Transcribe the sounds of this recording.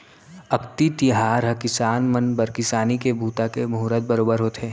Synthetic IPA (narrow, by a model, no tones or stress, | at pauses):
ɐkt̪it̪iɦaːɾɦɐkɪsaːnmənbɐɾkɪsaːnikebʱuːt̪akemuːɾət̪̚bɐɾoːbəɾɦoːt̪eː